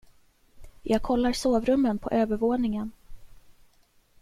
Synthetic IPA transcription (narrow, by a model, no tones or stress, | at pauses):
jʔɑːɡ̚kʰɔlːaɾsoːvɾɵmːənpʰɔ̰ʔøːvəɾvoːnɪŋən